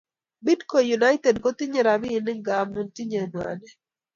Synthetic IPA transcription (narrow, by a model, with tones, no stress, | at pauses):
bi˦dko˨ju˨na˦jtɛ˨dkɔ˦t̪i˦ɲe˨ɾa˨bi˦˨nɪ˦ŋɡa˨mu˨nt̪i˦ɲe˨nwa̰˨nɛ˦